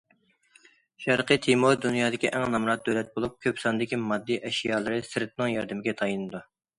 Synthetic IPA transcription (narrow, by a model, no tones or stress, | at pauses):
ʃɛɾqət̪ʰimoɾd̪unjɑːd̪ɪkʲiʔɛŋnɑmɾɑt̪̚d̪øwlɛt̪̚bolˠup̚kʲʰøpsɑnd̪ɪkʲimɑd̪ːiʔɛʃjɑːlˠɨɾɨsɨɾt̪̚nɨŋjɑɾd̪ɪmɪɡʲɛt̪ʰɑjinɨd̪u